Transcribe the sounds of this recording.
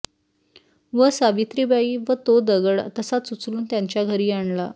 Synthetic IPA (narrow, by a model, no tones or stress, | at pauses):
ʋəsaʋit̪ɾibaiːʋət̪od̪əɡəɽt̪əsasut͡sluːnt̪jaɲt͡ɕjaɡʱəɾiːaɳla